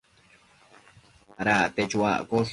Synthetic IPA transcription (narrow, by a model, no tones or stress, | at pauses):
ɾaʔt̪et͡ʃwa̰ʔkoɬ